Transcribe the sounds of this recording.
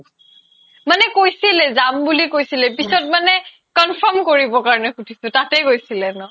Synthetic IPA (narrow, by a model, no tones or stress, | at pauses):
manɛkojsilɛzambulikojsilɛpisɔt̚manɛ | kɔnfʰɔmkoɹibɔkaɹɔnɛkutʰisʊ̃tatɛkojsilɛnɔ